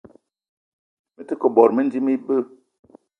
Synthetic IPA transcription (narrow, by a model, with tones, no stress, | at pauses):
mə˨tə˦kə˨bɔ˨ɾmə˦n˦di˦mi˦bə˦